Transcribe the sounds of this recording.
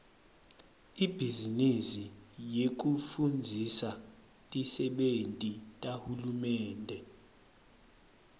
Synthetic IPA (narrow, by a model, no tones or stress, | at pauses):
ib̥ʱizinisijek̬ufund͡zʱisa | tʼisɛɓentʼitʼahulumɛːndʱɛ